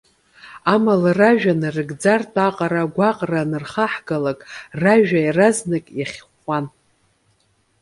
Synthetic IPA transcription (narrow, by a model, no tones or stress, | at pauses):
amalaraʒᶣanɨrɨɡd͡zartʼaqʼaɾaɡʷaqʼranɨrχaħɡalakʼraʒᶣajraznɨkʼjaχʲχʷan